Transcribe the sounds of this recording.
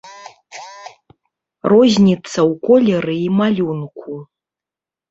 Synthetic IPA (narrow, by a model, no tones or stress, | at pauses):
rozʲnʲit̪sɐwkʼolʲeɾɨimalʲunkʷʰu